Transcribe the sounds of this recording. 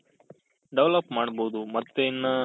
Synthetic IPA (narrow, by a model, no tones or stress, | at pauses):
ɖeʋlɐpmaːɽɐboːd̪umɐt̪ːeinːɐ